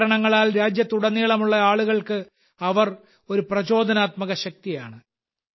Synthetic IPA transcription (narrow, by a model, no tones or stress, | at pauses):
ɾɐɳɐŋːɐɭaːlɾaːd͡ʑjɐt̪ːuɽɐnːiːɭɐmuɭːɐaːɭuɣɐɭkɨ | ɐʋɐr | o̞ɾuprɐt͡ɕo̞ːd̪ʱɐnaːt̪mɐɣɐɕɐk̚t̪ija̰ːɳɨ